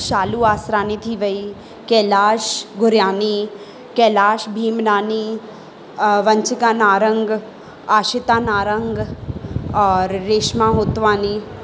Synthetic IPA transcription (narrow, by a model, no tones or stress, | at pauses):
ʃaːluaːsɾaːnit̪ʰiʋəi | kɛːlaːʃɡʊɾjaːni | kɛːlaːʃbʱiːmnaːni | ʋɐ̃ɲt͡ʃɪkaːnaːɾə̃ŋɡ | aːʃɪt̪aːnaːɾəŋɡ | ɔːɾːeːʃmãːɦoːt̪ʋaːni